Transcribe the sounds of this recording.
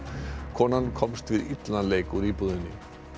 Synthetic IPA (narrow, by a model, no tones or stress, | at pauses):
kʰɔːnankʰɔmst̪vɪðit̪laleːjkuɾipuðɪnːɪ